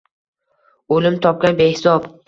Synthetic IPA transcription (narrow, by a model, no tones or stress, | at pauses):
olɪmt̪ʰɒp̚kʲanbehɪsɒb